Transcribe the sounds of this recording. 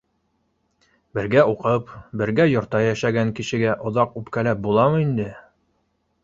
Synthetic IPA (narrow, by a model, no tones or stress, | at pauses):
bɘ̆ɾɡæuqɤpbɘ̆ɾɡæjŏɾt̪ɑjæʃæɡæŋkiʃɘ̆ɡæʔŏðɑqʉpkælæp̚bulˠɑmɤind̪ɘ